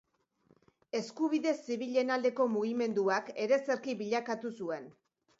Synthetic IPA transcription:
e̞skuβiðe̞sːiβiʎe̞nald̪e̞ko̞muɣ̞ime̞nd̪uake̞ɾe̞se̞ɾkiβiʎakat̪usue̞n

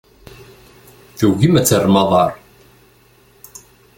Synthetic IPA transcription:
θuʝimæt͡sːərːmɑðˤɑɾˤ

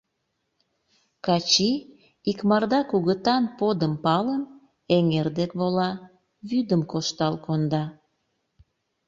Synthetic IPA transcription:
kɑt͡ɕi | ikmɑrd̪ɑkuɣət̪ɑnpod̪əmpɑlən | eŋerd̪ekβolɑ | βyd̪əmkoʃt̪ɑlkond̪ɑ

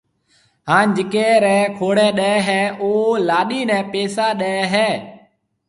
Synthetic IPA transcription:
ɦãːnd͡ʒɪkeːɾɛ̃ːkʰoːɽɛːɗɛɛɦɛːʔoːlaːɗiːnɛ̃ːpeːsaːɗɛːɦɛː

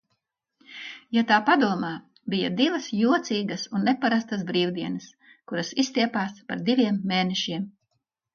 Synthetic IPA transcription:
jat̪aːpad̪uɔmaː | bija̰d̪ivɐsjuɔt̪siːɡɐsunːepaɾast̪asbɾiːwd̪iɛnɐs | kuɾɐsist̪iɛpaːspa̰ɾd̪ivʲiɛmːeːnɛʃiɛm

